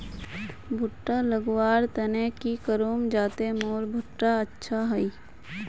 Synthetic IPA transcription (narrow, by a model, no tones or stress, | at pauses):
bʱʊʈːaləɡwaːɾt̪ənekikəɾoːmd͡ʒaːt̪emoːlbʱʊʈːaətːʃʰaɦɐi